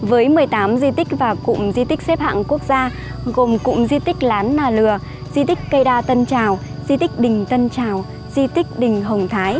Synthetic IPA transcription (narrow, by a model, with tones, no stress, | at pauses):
vəː˨˦jmɨ˨˩əjt̪aː˨˦mzi˧t̪ï˦˥k̟̚vaː˨˩kʊ̰˧˨ŋ͡mzi˧t̪ï˦˥k̚sɛ˦˥p̚ha̰ː˧˨ŋku˦˥ək̚zaː˧ | ɣo˨˩mkʊ̰˧˨ŋ͡mzi˧t̪ï˦˥k̚laː˨˦nːaː˧˩lɨ˨˩ə | zi˧t̪ï˦˥k̟̚kə˧jɗaː˧t̪ə˧nt͡ɕaː˨˩w | zi˧t̪ï˦˥k̟̚ɗï˨˩ŋ̟t̪ə˧nt͡ɕaː˨˩w | zi˧t̪i˦˥k̟̚ɗï˨˩ŋ̟ɦə˨˩wŋ͡mt̪ʰaː˨˦j